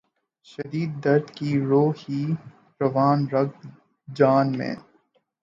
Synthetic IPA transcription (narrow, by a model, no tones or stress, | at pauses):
ʃɐd̪iːd̪ːɐɾd̪kiɾoːhi | ɾɐʋaːnɾɐɡ | d͡ʒaːnmḛ̃ː